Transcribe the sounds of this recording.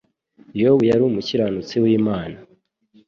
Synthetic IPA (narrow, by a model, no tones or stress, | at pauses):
jowijaɾumuciɾanut͡siwiːmaːna